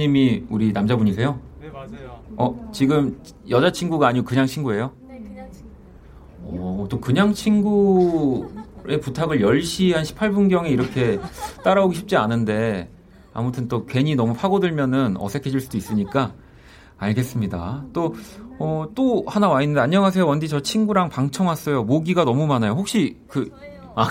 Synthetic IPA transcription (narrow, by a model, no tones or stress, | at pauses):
imiuɾinamd͡ʑabuɲisʰe̞jo | ʌt͡ɕiɡɯm | jʌd͡ʑat͡ɕʰinɡuɡaːɲikɯɲaŋt͡ɕʰinɡue̞jo | ʌt͈okɯɲaŋt͡ɕʰinɡu | e̞putʰaɡɯɭjʌɭɕ͈iɦanɕʰi̥pʰaɭbunɡjʌŋe̞iɾʌkʰe̞t͈aɾaoɡuɕʰip̚t͡ɕ͈ianɯnde̞ | a̰mutʰɯnt͈okwe̞ɲinʌmupʰaɡodɯɭmjʌnɯnʌ̰sʰe̞kʰed͡ʑiɭs͈udois͈ɯɲik͈a | aɭɡe̞s͈ɯmɲida̰t͈oʌt͈ohanawainɯndeaɲɲʌŋas̬ʰe̞jowʌndit͡ɕʌt͡ɕʰinɡuɾaŋpaŋt͡ɕʰʌŋɦas͈ʌjomoɡiɡanʌmumanajohok̚ɕ͈ikɯ | a